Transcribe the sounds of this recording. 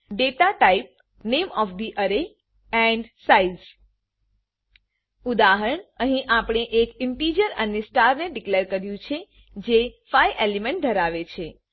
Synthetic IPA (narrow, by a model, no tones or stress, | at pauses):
ɖeʈaʈaip̚ | nemɔfd̪iʔəɾe | ɛ̃ɳɖsaid͡ʒ | ud̪aɦəɾəɳəɦĩʔapəɽ̃eʔekɪɳʈid͡ʒəɾənesʈaɾneɖikleɾkəɾjũt͡ʃʰe | d͡ʒefajʔelemẽɳʈ̚d̪ʱəɾaʋet͡ʃʰe